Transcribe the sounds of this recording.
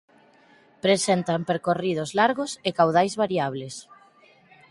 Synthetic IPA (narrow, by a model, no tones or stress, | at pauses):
pɾesent̪ampeɾkorið̞ʊzlaɾɣosekawð̞ajzβaɾiaβ̞les